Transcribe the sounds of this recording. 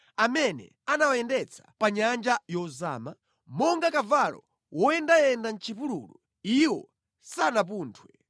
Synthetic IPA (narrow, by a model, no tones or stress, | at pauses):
amɛnɛ̰ | anawajɛndɛt͡sʰḁpaɲand͡ʒajɔzaːma | mɔŋɡakavalɔ̰ | wɔjɛndajɛndan̩t͡ʃʰipululu | iwɔ̰ | sanap̬uːntʰwɛ